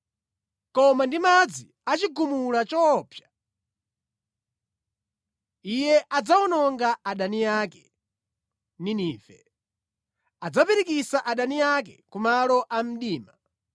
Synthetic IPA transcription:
kɔmandimad͡zi | at͡ʃiɡumulat͡ʃɔːpʰja | ijɛʔad͡zaɔnɔŋɡaaɗanijaːkɛ̥ | niniːfɛ | ad͡zapiɾikisaʔaɗanijak̬ɛ̰kumalɔʔam̩ɗiːma

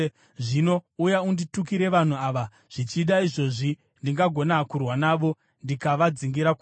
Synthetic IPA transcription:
ʐino̞ujaunditukiɾe̞ʋan̤uaʋa | ʐ̥it͡ʃiɗaiʐo̞ʐi | ndiŋɡaɡʱo̞nakurwanaːʋo̞ | ndikaʋad͡ziŋɡiɾaku

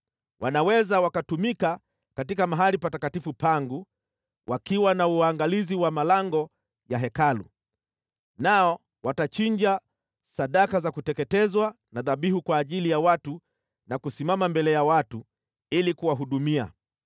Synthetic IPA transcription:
wʔanawɛzawakatumika | katikamaɦalipatakatifupaŋɡu | wʔakiwanauaŋɡaliziwamalaŋɡɔ | jaɦɛkalṵ | naɔ | watat͡ʃiɲd͡ʒa | saɗakazakutɛkɛtɛzwa | naðaɓihukwaːʄilijawatu | nakusimamambɛlɛjawatu | ilikuwaɦuɗumia̰

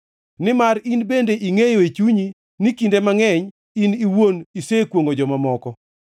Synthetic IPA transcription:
nɪmaɾinbendeʔiŋejoet͡ʃuɲi | nikindemaŋɛɲ | iniwonisekwoŋod͡ʒɔmamɔkɔ

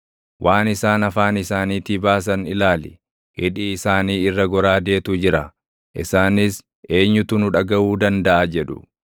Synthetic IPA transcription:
wʔaːnɪsaːnɐfaːnɪsaːniːt̪ibaːs̬ɐnɪlaːlɪ | hɪᶑiːɪsaːniːɪrːɐɡɔɾaːd̪e̞ːt̪uːd͡ʒɪɾɐ | ʔɪ̰saːnɪs | ʔe̞ːɲːʊt̪ʊnʊᶑɐɡɐʔuːd̪ɐnd̪ɐʔad͡ʒɛᶑʊ̥̰

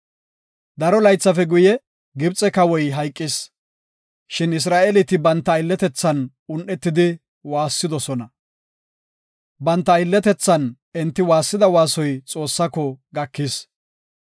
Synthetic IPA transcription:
d̪ɐɾɔlɐjt͡sːɐfɛɡʊjɛ | ɡɪbt͡sʼɛkɐwɔjɦɐjkʼːɪs | ʃɪnɪs̬ɾaːʔelɪt̪ɪbɐnt̪ːɐɪlːɛt̪ɛt͡sːɐn | ʊnʔɛt̪ːɪd̪ɪ | waːsːɪd̪ɔsɔnɐ | bɐnt̪ːɐɪlːɛt̪ɛt͡sːɐn | ɛnt̪ːɪwaːsːɪd̪ɐwaːsɔjt͡sʼo̞ːsːɐkɔɡɐkːɪs

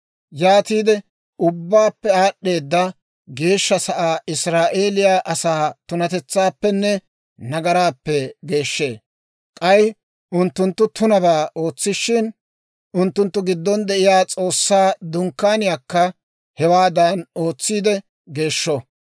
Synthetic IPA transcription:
jaːt̪iːd̪ɛ | ʊbːaːpːɛaːɗːe̞ːd̪ːɐ | ɡe̞ːʃːɐsɐʔaːʔɪsɾaːʔe̞ːlɪjaːʔɐsaːt̪ʊnɐt̪ɛt͡sːaːpːɛnːɛ | nɐɡɐɾaːpːɛɡe̞ːʃːe̞̰ː | kʼɐj | ʔʊnt̪ːʊnt̪ːʊt̪ʊnɐbaːo̞ːt͡sːɪʃːɪn | ʔʊnt̪ːʊnt̪ːʊɡɪd̪ːɔnd̪ɛʔɪjaːt͡sʼo̞ːsːaːd̪ʊŋkːaːnɪjaːkːɐ | hɛwaːd̪ɐno̞ːt͡sːiːd̪ɛ | ɡe̞ːʃːɔ

